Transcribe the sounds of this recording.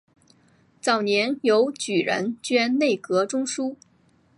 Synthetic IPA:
t͡sɑ˨˩ʊnjɛ˧˥njo˧˥ʊt͡ɕy˨˩ɻə̰˧˥nt͡ɕɥɛ˥ne˥˩ɪkɤ˧˥ʈ͡ʂʊ˥ŋʂu˥

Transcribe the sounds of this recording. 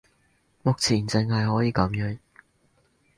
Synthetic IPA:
mʊ˨k̚t͡sʰiː˨˩nt͡sɪ˨˧ŋhɐ˨jɦɔː˨˥jiː˨˧kɐ˨˥mjœː˨˥ŋ

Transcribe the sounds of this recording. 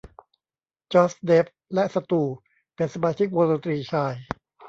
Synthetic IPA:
t͡ɕɔː˦˥sde˦˥p̚lɛ˦˥ʔsa˧t̪uː˧˩ | pe˧nsa˧maː˧t͡ɕʰi˦˥k̚woː˧so˧nt̪ɾiː˧t͡ɕʰaː˧j

